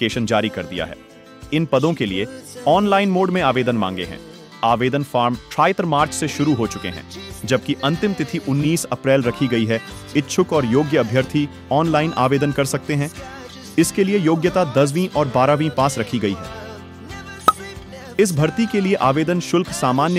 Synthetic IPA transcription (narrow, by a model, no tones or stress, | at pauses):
keːʃənd͡ʒaːɾikɐɾd̪ija̰ɦɛ̰ː | ɪnpɐd̪õkelieɔːnlaːɪnmoːɖmẽaːʋeːd̪ənmã̰ːŋɡḛɦɛ̰̃ː | aːʋeːd̪ənfaːɾmʈɾaːɪt̪əɾmaːɾt͡ʃseʃʊɾuɦot͡ʃʊkḛɦɛ̰̃ːd͡ʒɐb̚kiʔɐ̃nt̪ɪmt̪ɪt̪ʰiʔʊnːiːsɐpɾɛːlɾɐkʰiɡɐiɦɛ | ɪtːʃʰʊkɔːɾjoːɡjəɐbʱjəɾt̪ʰi | ɔːnlaːɪnʔa̰ːʋeːd̪ənkɐɾsɐk̚t̪eɦɛ̃ː | ɪskeliejoːɡjət̪ad̪ɐzʋĩʔɔːɾbaːɾaːʋĩpaːsɾɐkʰiɡɐiɦɛ̰ː | ɪs̬bʱɐɾt̪ikelieʔaːʋeːd̪ənʃʊlkʰsaːmaːnj